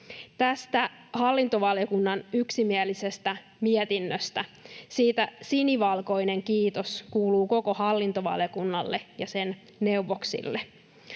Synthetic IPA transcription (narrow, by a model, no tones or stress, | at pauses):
t̪æst̪æ | hɑlːint̪oʋɑljokunːɑnyksimielise̞st̪æ | miɛt̪inːøst̪æsiːt̪æsiniʋɑlko̞jne̞ŋkiːt̪oskuːluːko̞ko̞hɑlːint̪oʋɑ̰ljokunːɑlːejɑsen | ne̞uʋoksḭlːe